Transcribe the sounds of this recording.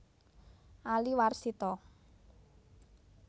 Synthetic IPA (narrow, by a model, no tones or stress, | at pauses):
ʔaliwarsit̪ɔ